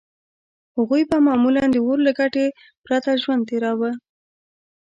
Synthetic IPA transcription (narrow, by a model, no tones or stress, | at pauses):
haɣujbamɑmuland̪əwoɾlaɡaʈe | pɾat̪aʒwand̪̚t̪eɾɑwə